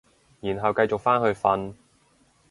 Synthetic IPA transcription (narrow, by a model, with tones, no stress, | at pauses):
jiː˨˩nɦɐ˨wkɐ˧jt͡sʊ˨k̚faː˥nhɵ˧ɥfɐ˧n